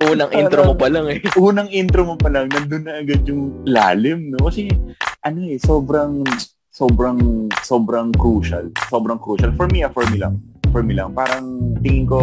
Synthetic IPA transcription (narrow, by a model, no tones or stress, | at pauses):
ʔuːnɐŋʔint̪ɾomopɐlaŋɛʔuːnɐŋʔint̪ɾomopɐlɐŋnɐnd̪ʊnːɐʔɐɡad̪̚jʊŋla̰ːlɪmnokɐsɛʔɐno̞ʔɛso̞ːbɾɐŋ | so̞ːbɾɐŋso̞ːbɾɐŋkɾuːʃɐ̰lso̞ːbɾɐŋkɾuːʃɐlfɔɹmiʔɐfɔɹmilɐ̰ŋfɔɹmilɐŋpaːɾɐŋt̪ɪŋɪŋko̞